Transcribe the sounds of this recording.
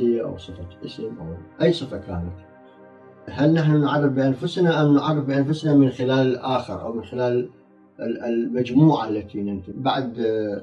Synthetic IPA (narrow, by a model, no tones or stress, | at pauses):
ɪjːaʔa̰wsˤɨfɑʔɪsɪmʔa̰ʔajːsˤɨfɑkaːnat̪ | ɦalnaħnunʕarˤːɪfbɪʔanfʊsnaʔamnʕɑ̰rˤːɪfbɪʔanfʊsnamɪnxɪlaːlɪlʔaːxəɾʔa̰wmɪnxɪlaːl | lmad͡ʒmuːʕalːat̪inɪnt̪ɪbaʕd̪